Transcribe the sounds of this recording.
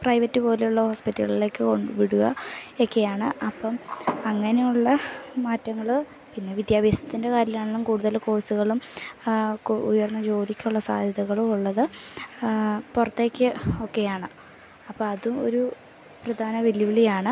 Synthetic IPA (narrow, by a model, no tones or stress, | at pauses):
prɐjʋɐtːɨpo̞ːlejuɭːɐho̞ːspitːɐɭile̞ːkːɨko̞ɳɖuʋiɽuɣɐ̰o̞kːe̞jaːɳɨʔɐpːɐmɐŋːɐne̞juɭːɐmaːtːɐŋːɐɭ | pinːeʋid̪jaːbɐsɐ̥t̪ːinde̞kaːɾjɐlaːɳoɭːɐmkuːɽuðɐlko̞ːsuɣɐɭum | kujɐrnːɐt͡ɕo̞ːd̪ikʲːuɭːɐsa̰ːd̪ʱjɐðɐɣɐɭumuɭːɐðɨ | purɐt̪ːe̞ːkʲːɨo̞kːe̞jaːɳɨ | ɐpːomɐðumo̰ɾu | prɐd̪ʱaːnɐʋiljiʋiɭijaːɳɨ